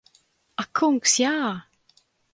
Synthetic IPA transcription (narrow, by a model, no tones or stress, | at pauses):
akʰʊŋksja